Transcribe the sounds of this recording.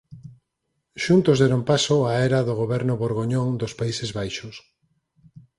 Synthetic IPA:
ʃunt̪ʊzðɛɾompasoaɛɾaðoɣoβɛɾnʊβoɾɣoɲoŋd̪ospaisezβajʃʊs

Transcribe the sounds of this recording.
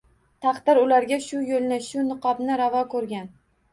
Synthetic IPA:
t̪ʰɑqt̪ɪɾʊlaɾɡʲaʃʊjolnɪʃʊnɨqʰɒbnɪɾavɒkʰɵɾɡʲan

